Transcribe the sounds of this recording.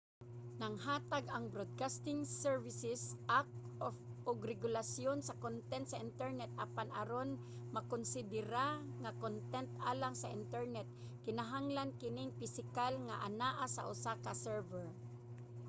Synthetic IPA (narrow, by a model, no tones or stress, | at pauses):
nɐŋɦaːt̪aɡɐŋbɾod̪̚kast̪ɪŋsɛɹvɪsɛsʔak̚ofʔoɡɾɛɡʊlasjonsɐkont̪ɛnt̪sɐʔɪnt̪ɛɹnɛt̪̚ʔɐpanʔa̰ɾon | mɐkonsɪd̪ɪɾaŋakont̪ɛnt̪aːlaŋsɐʔɪ̰nt̪ɛɹnɛt̪̚ | kɪnaɦaŋlankɪnɪŋfɪsɪkalŋaʔanaʔasɐ̰ʔʊsaːkasɛɹvɛɹ